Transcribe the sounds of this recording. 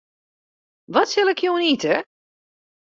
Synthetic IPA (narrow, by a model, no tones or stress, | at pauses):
ʋɔtsɪlˠɪkʰjoːnitə